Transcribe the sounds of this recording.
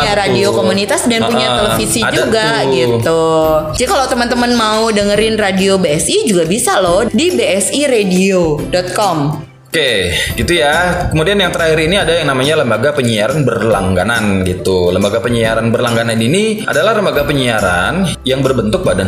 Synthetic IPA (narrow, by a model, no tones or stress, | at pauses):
aɾadiokomunit̪asdəanpuɲat̪ələfisiadd͡ʒuɡaɡit̪ud͡ʒadikalawt̪əmənt̪əmənmaudəŋəɾɪnradiobeɛsid͡ʒuɡabisalɔhdibeɛsiɾediodɔt̪̚kɔm | okeɡit̪ujakəmudianjaŋt̪əɾahiɾiniadajaŋnamaɲaləmbaɡapəɲiaɾanbərlaŋɡananɡit̪uləmbaɡapəɲiaɾanbərlaŋɡananiniʔa̰dalahləmbaɡapəɲiaɾan | jaŋbərbənt̪ʊk̚badan